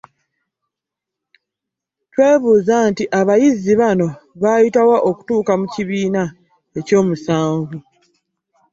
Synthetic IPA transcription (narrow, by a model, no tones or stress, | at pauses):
twe̞ːβuːzantiʔaβajiziβano̞βaːjitawaʔoku̥tuːkamuciβiːna | e̞co̞ːmusaːɱvu